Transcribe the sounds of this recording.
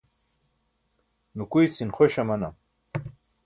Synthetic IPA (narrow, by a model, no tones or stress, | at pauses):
nukujt͡sinχoɕamɐna̰m